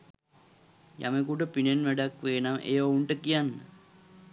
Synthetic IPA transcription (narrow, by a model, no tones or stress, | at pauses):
jʔa̰mekuʈəpinenʋæɖakʋeːnamʔḛjəouɳʈəkijanːə̰